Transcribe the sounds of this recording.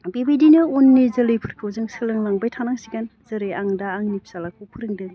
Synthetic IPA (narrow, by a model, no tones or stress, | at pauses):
bibidinɯonːizɐlɯjpʰɯɾkʰɯwzɯŋsɯlɯŋlaŋbajtʰanaŋsiɡanz̥ɐɾɯjaŋdaːŋnipʰsalakʰuwpʰɯɾɯŋdɯɡ